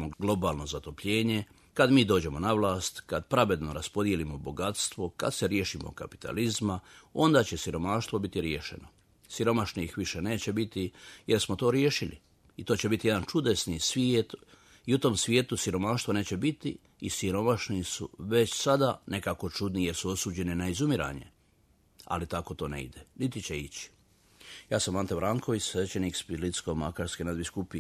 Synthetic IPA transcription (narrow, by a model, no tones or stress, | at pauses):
oɡlˠo̞baːlno̞zat̪o̞pʎe̞ːɲe̞ | kad̪miːd̪o̞ːd͡ʑe̞mo̞naʋlˠaːst̪kad̪pɾaʋe̞d̪no̞ɾaspo̞d̪je̞limo̞bo̞ɡat̪st̪ʋo̞ka̰d̪seɾje̞ːʃimo̰ka̰pi̥t̪a̰lizmao̞nd̪aːt͡ɕe̞siɾo̞maːʃt̪ʋo̞bit̪iɾjeːʃḛno | siɾo̞maʃnixʋiʃe̞ne̞ːt͡ɕe̞bit̪ije̞ɾsmo̞t̪o̞ːɾjeʃilḭ | it̪oːt͡ɕe̞bit̪ijeant͡ʃud̪e̞snisʋjiet̪ | iut̪o̞msʋʲjeːt̪usiɾo̞maːʃt̪ʋone̞ːt͡ɕebit̪iː | siɾo̞maʃnisṵʋe̞t͡ɕsad̪anʔe̞kako̞t͡ʃud̪nijeɾsuo̞suːd͡ʑe̞ninaizumiɾa̰ːɲe̞̰ | a̰lit̪ako̞t̪o̞ːnḛḭd̪enit̪it͡ɕeit͡ɕi̥ | jaːsamːant̪ebɾaːŋko̞ʋisʋe̞t͡ɕe̞nikspilit̪skoma̰kaɾskenad̪biskupi